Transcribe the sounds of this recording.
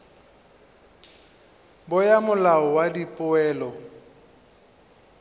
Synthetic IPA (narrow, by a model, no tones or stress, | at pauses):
bʊjamʊlaɔwadipʼʊɛːlɔ